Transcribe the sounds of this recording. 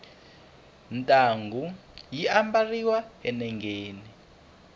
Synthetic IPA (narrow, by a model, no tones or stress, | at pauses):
ntʼaːŋɡʱu | jiʔambariwaɛnɛŋʱeːni